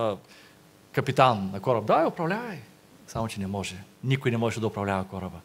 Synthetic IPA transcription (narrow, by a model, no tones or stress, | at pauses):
kɐpit̪anːɐkɔɾəb̚d̪aiʊpɾɐvlʲavɐj | samʊt͡ʃɛnɛmɔʒɛnikʊjnɛmɔʒɛd̪ɐʊpɾɐvlʲavɐkɔɾəbə